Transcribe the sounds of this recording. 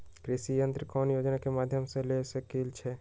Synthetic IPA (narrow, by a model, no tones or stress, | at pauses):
kɾɪʃijə̃nt̪ɾkɔːnjoːd͡ʒnakemaːd̪ʱjəmsẽlesəkilt͡ʃʰe